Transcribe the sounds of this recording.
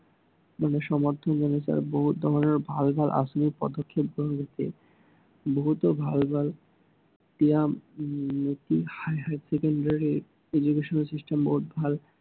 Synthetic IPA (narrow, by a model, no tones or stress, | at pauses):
maneʃɔmad̪ʱʰːonɡenet͡ɕa̰ɾboɦut̪̚d̪ʱɔɾoneɾbʱalbʱalʔa̰ʃomikpɔ̰d̪okʰːep̚ɡoloɡet̪ḛ | boɦut̪obʱalbʱal | t̪iamnit̪ihajɦaɖsekoɳɖaɾi | ed͡ʑukeʃoneɾsiʃʈemboɦut̪̚bʱal